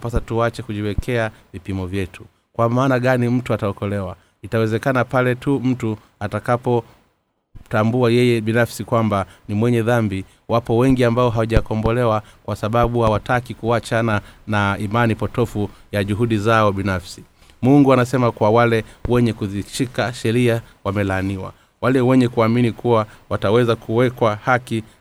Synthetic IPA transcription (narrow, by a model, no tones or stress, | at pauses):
pasatuat͡ʃɛkuʄiwɛkʰɛavipimɔvjɛtʰu | kwamaːnaɠanim̩tuataɔkɔlɛwa | itawɛzɛkanapalɛtum̩tu | atakapɔ | tambuajɛjɛɓinafsikwambanimwɛɲɛðambi | wʔapɔwɛŋɡiambaɔɦawaʄakɔmbɔlɛwakwasaɓaɓuhawatakikuat͡ʃananaimanipɔtɔfujaʄuɦuɗizaɔɓinafsi | muŋɡuanasɛmakwawalɛwɛɲɛkuðiʃikaʃɛɾia | wamɛlaːniwa̰ | walɛwɛɲɛkuaminikʰuwawatawɛzakʰuwɛkwahaki